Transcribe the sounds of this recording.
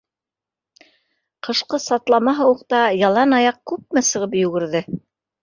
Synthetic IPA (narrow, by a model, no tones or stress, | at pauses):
qʰɤ̆ʃqɤsɑt̪lˠɑmɑɦɤwuqt̪ɑjɑlˠɑnɑjɑq̚kʉp̚mæsɤ̆ʁɤp̬jʉ̆ɡɘ̆ɾðɘ